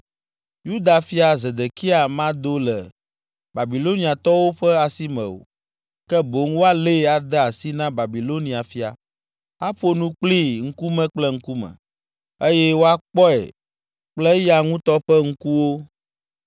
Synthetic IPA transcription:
ju˦d̪a˨fi˦a˨ze˨d̪e˨ki˦a˨mã˦d̪o˦lɛ˨ | ba˨bi˨lo˦ni˨a˨t̪ɔ˦wo˦ɸɛ˦a˨si˦mɛ̰̃˨o̰˨ | kɛ˦bo˨˦ŋwo˦a˦le˦a˨d̪ɛ˦a˨si˦nã˦ba˨bi˨lo˦nĩ˨a˨fi˦a̰˨ | a˦ɸo˦nũ˦k͡pli˦ŋ̩˦ku˦mɛ̃˦k͡plɛ˦ŋ̩˦ku˦mɛ̰̃˨ | e˦jɛ˦wo˦a˦k͡pɔ˦ɛ̰˨ | k͡plɛ˦ja˨ŋũ˦t̪ɔ˦ɸɛ˦ŋ̩˦ku˦wo˦

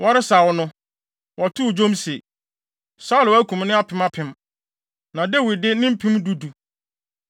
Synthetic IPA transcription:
wʔɔ˦ɾɪ˦sa˨wɔ˨˦nʊ̃˦ | wʔɔ˨tʰʊ˦˨d͡ʑõ˦mse˨ | sa˦ʊ˨læ˦kʰũ˨mnɪ̃˦a˦pʰɪ̃˨˦ma˦pʰɪ̃˨m | nã˨de˦wi˨dɪ˦nɪ̃˦m̩˦pʰĩ˦mdu˦du˨

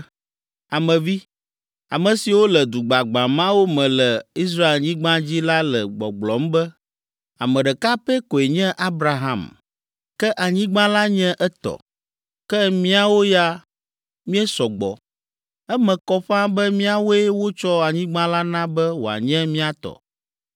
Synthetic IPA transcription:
a˨mɛ̃˨vi˦ | a̰˨mɛ̃˨si˨wo˦lɛ˨d̪u˨ɡ͡ba˨ɡ͡bã˨mã˦wo˦mɛ̃˨lɛ˨i˦s̬ɾa˦e˨lɲĩ˦ɡ͡bã˦d͡ʑi˦la˦lɛ˨ɡ͡bɔ̰˨ɡ͡blɔ˨˦m˦bɛ˦ | a˨mɛ̃˨ɖɛ˨ka˦pɛ˦ko˨e˨ɲɛ̃˦ʔa˦bɾa˦ɦa̰˦˨m | kɛ˦ʔa˨ɲĩ˦ɡ͡bã˦la˦ɲɛ̃˦ʔɛ˦t̪ɔ̰˨ | kɛ˦mĩ˦a˨wo˦ja˦ | mĩ˦ɛ˦sɔ˨ɡ͡bɔ̰˨ | ɛ˦mɛ̃˨kɔ˦ɸã˦bɛ˦mĩ˦a˨wo˦e˦wo˦t͡ʃɔ˦a˨ɲĩ˦ɡ͡bã˦la˦nã˦bɛ˦wo˨a̰˨ɲɛ̃˦mĩ˦a˦t̪ɔ̰˨

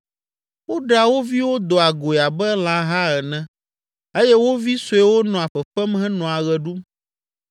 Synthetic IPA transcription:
wo˦ɖa˨wo˦vi˦wo˦d̪ɔ˨a˨ɡo˨e˨a˨bɛ˦l̃ã˦ɦa˦ɛ˨nɛ̃˦ | e˦jɛ˦wo˦vi˦so˨ɛ˦wo˦nɔ̃˨a˨ɸɛ˨ɸɛ˦mɦɛ̃˦nɔ̃˨a˨ɣɛ˨ɖu˦m

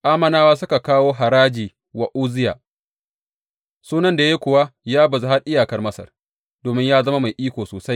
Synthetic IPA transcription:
ʔaː˦mɐ˨naː˦waː˦s̬ʊ˦ka˨kaː˦woː˦ɦa˨ɾaː˦d͡ʒiː˨ | wa˨ʔuː˦zɪ˦ja̰ː˨ | suː˦nɐ˦nda˨je˦kʷʊ˨wa˦jaː˦bɐ˨za˦ɦa˦rʔɪ˦jaː˨kɐ˦rmɐ˦sɐ̰˨r | doː˨mɪ˦ɲjaː˦zɐ˦ma˦ma˨jʔiː˦kʷoː˨soː˨sa˦j

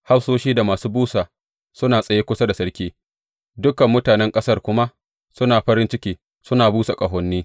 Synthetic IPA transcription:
ha˦soː˦ʃiː˦da˨maː˨suː˦buː˦saː˨ | sʊ˦naː˨sʼɐ˨jeː˦kʷʊ˦sa˦da˨sɐ˦ɽkʲiː˦ | dʊ˦kɐ˨mːʊ˦taː˨nɛ˦ŋkʼɐ˦sɐ˦rkʷʊ˦ma˦ | sʊ˦naː˨ɸɐ˦ɾɪ˦nt͡ʃɪ˦kʲiː˦ | sʊ˦naː˨buː˦sa˨kʼɐ˨ɦɔ˦nːiː˦

